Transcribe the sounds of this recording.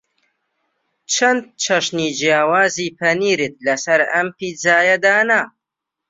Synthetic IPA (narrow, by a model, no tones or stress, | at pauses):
t͡ʃʰɐnd̪̚t͡ʃʰɐʃniːd͡ʒjaːwaːziːpʰɐniːɾɨt̪̚lɐsɐɾɐmpiːd͡zaːjɐd̪aːna